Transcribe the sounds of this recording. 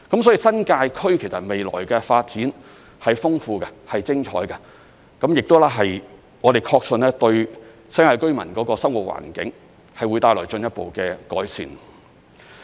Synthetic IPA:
kɐ˨˥msɔː˨˥ji˨˧sɐ˥nkaː˧jkʰɵ˥ɥkʰe˨˩jsɐ˨t̚me˨jlɔ̰ː˨˩jkɛː˧faː˧t̚t͡siː˨˥n | hɐ˨jfʊ˥ŋfuː˧kɐ˧hɐ˨jt͡sɪ˥ŋt͡ʃʰɔ̰ː˨˥jkɐ˧ | kɐ˨˥mjɪ˨k̚t̪o˥wlɛː˥ɦɐ˨j | ŋɔː˨˧d̪e˨˩jkʰɔː˧k̚sɵ˧nɛː˥t̪ɵ˧ɥ | sɐ˥nkaː˧jkɵ˥ɥmɐ˨˩nkɔː˨˧˥kɔː˧sɐ˥mwu˨t̚wa̰ː˨˩nkɪ̰˨˥ŋ | hɐ˨jwuː˨˧jt̪aː˧jlɔː˨˩jt͡ʃɵ˧njɐ˥t̚po˨wkɛ˧kɔ̰ː˨˥jsḭː˨˩n

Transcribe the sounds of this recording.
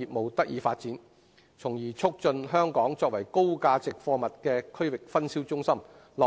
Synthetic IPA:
iː˨p̚mo˨wt̪ɐ˥k̚jiː˨˧faː˧t̚t͡siː˨˥n | t͡sʰʊ˨˩ŋjiː˨˩t͡sʰʊ˥k̚t͡sɵ˧nɦœː˥ŋkɔː˨˥ŋt͡sɔː˧k̚wɐ˨˩jko˥wkaː˧t͡sɪ˨k̚fɔː˧mɐ˨t̚kɛː˧kʰːɵ˥ɥwɪ˨k̚fɐ˥nsiː˥wt͡sʊ˥ŋsɐ˥m | lɔ˨

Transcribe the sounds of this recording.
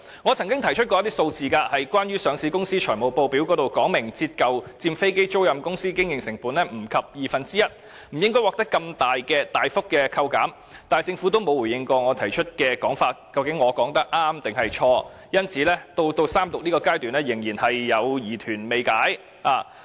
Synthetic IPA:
ŋɔː˨˧t͡sʰɐ˨˩ŋkʲɪ˥ŋt̪ʰɐ˨˩jt͡ʃʰɵ˥t̚kɔ˧jɐ˥t̪i˥so˧wt͡siː˨kaː˧hɐ˨jkwaː˥nɥyː˥sœː˨˧ŋsiː˨˧kʊ˥ŋsiː˥t͡ʃʰœː˨˩jmo˨˩wpo˧wpiː˨˥wkɔː˨˥t̪o˨wkɔː˨˥ŋmɪ˨˩ŋt͡siː˧t̚kɐ˨wt͡siː˧mfe˥jke˥jt͡so˥wjɐ˨mkʊ˥ŋsiː˥kɪ˥ŋjɪ˨ŋsɪ˨˩ŋpuː˨˥nlɛː˥m̩˨˩kʰɐ˨p̚jiː˨fɐ˨nt͡siː˥jɐ˥t̚ | m̩˨˩jɪ˥ŋkɔː˥wɔː˨k̚t̪ɐ˥kːɐ˧mt̪aː˨jkɛː˧t̪aː˨jfʊ˥k̚ːɛː˧kʰɐ˧wkaː˨˥m | t̪aː˨jt͡sɪ˧ŋfuː˨˥t̪o˥wmo˨˧wuː˨˩jɪ˧ŋkɔː˧ŋɔː˨˧t̪ʰɐ˨˩jt͡ʃʰɵ˥t̚kɛː˧kɔː˨˥ŋfaː˧t̚kɐ˧wkɪ˨˥ŋːɔː˨˧kɔː˨˥ŋt̪ɐ˥k̚ʔaː˥mt̪ɪ˨ŋɦɐ˨jt͡ʃʰɔː˧ | jɐ˥nt͡sʰiː˨˧lɛː˥t̪o˧wt̪o˧wsaː˥mt̪ʊ˨k̚niː˥kɔː˧kaː˥jt̪yː˨˩nlɛː˥jɪ˨˩ŋjiː˨˩nhɐ˨jːɐ˨˧wjiː˨˩t̪ʰyː˨˩nme˨˧jkaː˨˥j | aː˨˧˩

